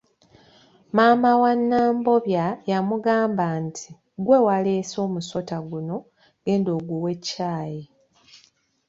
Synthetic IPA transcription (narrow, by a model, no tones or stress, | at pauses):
maːmawanːaːmbo̞βjajamuɡaːmbantʰi | ɡwe̞waleːso̞ːmuso̞taɡuno̞ | ɡ̥e̞ːndo̞ːɡuwe̞cːaːji